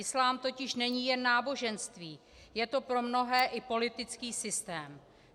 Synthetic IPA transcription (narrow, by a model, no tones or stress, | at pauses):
ɪslaːmt̪o̞cɪʃnɛɲiːjɛnːaːbo̞ʒɛnst̪viː | jɛt̪o̞pɾo̞mno̞ɦɛːʔɪpo̞lɪt̪ɪt͡skiːsɪst̪ɛːm